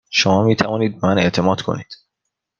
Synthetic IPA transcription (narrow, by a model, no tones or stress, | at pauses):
ʃomɒːmiːt̪ʰævɒːniːd̪̚bmæne̞ʔt̪ʰe̞mɒːd̪kʰo̞̰niːd̪̥